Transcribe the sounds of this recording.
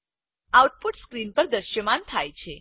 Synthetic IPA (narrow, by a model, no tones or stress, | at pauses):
awʈ̚puʈskɾinpəɾd̪əʃjəmant̪ʰajt͡ʃʰe